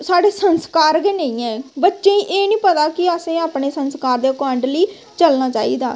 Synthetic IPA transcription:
saːɽeːsənskaːɾɡenəĩːɛ̃ːbətːʃẽːĩːʔeːnĩːpət̪aːkɪəsẽːaːpneːsənskaːɾd̪eːəkaːəɳɖliː | t͡ʃəlnaːt͡ʃaːiːd̪a̰ː

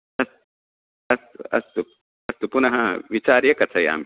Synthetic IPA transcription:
ɐs | ɐst̪ɐ̰st̪u | ɐst̪upunɐɦɐʋit͡ʃaːɾjɐkɐt͡sʰɐja̰ːm

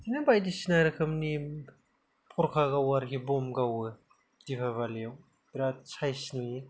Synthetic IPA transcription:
inabajdisinaɾɯkʰɯmni | pʰɔɾkʰaɡawaɾɦibɔmɡawɯ | dipʰaβalw | biɾat͡sʰajsini

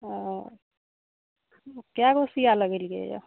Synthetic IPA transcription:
kjaɡosijaləɡelɡḛd͡ʒa̰

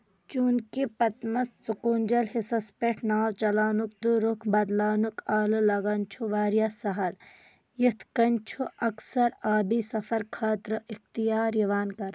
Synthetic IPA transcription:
t͡ʃuːnkipɐt̪mɐst͡sukuːnd͡ʒɐlɦesɐspeʈʰnaːwt͡ʃɐlaːnuk̚d̪uɾʊkʰbɐd̪laːnukaːlɨlɐɡɐnt͡ʃʰuʋaːɾjasɐɦɐl | jɪt̪ʰkɐnt͡ʃʰuʔɐksɐɾaːbisɐfɐɾkʰaːt̪ɾəʔɪxt̪ijaːɾjɐʋaːnkɐɾ

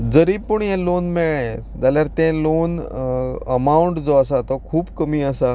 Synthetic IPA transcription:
d͡zəɾiːpuɳjelonmeɭẽ | d͡zaljaɾt̪ẽlon | əmauɳʈd͡zɔəsat̪ɔkʰuːbkəmiːəsa

